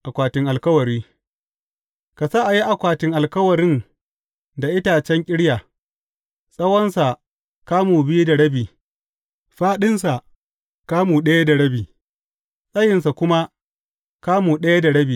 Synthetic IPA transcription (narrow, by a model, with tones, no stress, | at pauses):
ʔa˨kʷaː˨tɪ˨ŋʔa˨lkɐ˦wɐ˨ɾiː˦ | ka˨sa˦ʔa˨ji˦ʔa˨kʷaː˨tɪ˨ŋʔa˨lkɐ˦wɐ˨ɾɪ˦n | da˨ʔɪ˦taː˨t͡ʃɛ˦ŋkʲʼɪ˦ɽjaː˨ | sʼɐ˦wɐ˦nsa˨ | kaː˦muː˨bɪ˦ju˦da˨ɽɐ˦biː˨ | ɸaː˦ɗɪ˦nsa˨ | kaː˦muː˨ɗɐ˦ja˦da˨ɽɐ˦biː˨ | sʼɐ˦jɪ˨nsa˨kʷʊ˦ma˦ | kaː˦muː˨ɗɐ˦ja˦da˨ɽɐ˦biː˨